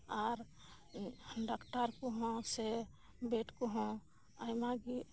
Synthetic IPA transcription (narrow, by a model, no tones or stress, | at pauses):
aɾ | ɖakʈəɾkoɦɔ̃se | beʈkoɦɔ̃ | ajmaɡi